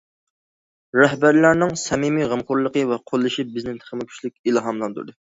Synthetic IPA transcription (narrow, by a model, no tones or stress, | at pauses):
ɾɛɦbæɾlæɾnɪŋsɛmimiʁəmqʊɾlˠəqəvɛqʰolˠːɨʃibɪznɪnt̪ʰə̥χmɪkʲʰy̥t͡ʃʲlɪk̚ʲilˠɑɦɑmlˠɑnd̪ṵɾd̪ɨ